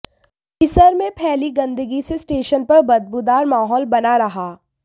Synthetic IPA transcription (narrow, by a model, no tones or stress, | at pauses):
pɪsəɾmẽpʰɛːliɡɐ̃nd̪əɡisesʈeːʃənpɐɾbɐd̪̚bud̪aːɾmaːɦɔːlbɐnaɾɐɦaː